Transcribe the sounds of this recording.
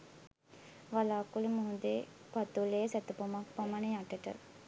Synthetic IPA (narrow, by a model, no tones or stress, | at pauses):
ʋalaːkulumuɦud̪e | pat̪ulejəsɛt̪upomakpamanəjaʈəʈə̰